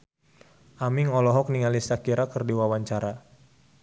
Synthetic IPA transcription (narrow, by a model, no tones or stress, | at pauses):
ʔamiŋɔlɔɦɔk̚niŋalisakiɾakərdiwawaɲt͡ʃaɾa